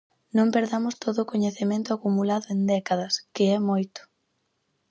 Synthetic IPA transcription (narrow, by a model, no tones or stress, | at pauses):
nõmpeɾðamʊst̪oðʊːkoɲeθemẽnt̪ʊakumulaðʊend̪ɛkaðɐskɪɛmojt̪ʊ̥